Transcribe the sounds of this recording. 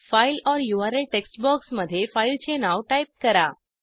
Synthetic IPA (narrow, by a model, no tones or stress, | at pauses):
faɪlɔːɾjuːaːɾelʈeksʈbɔːksməd̪ʱjefaɪlt͡ɕʰenaʋʈaip̚kɐɾaː